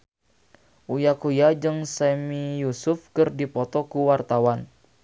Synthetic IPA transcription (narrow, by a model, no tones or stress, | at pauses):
ʔujakujad͡ʒɨŋsamijusufkɨrdipɔt̪ɔkuwart̪awan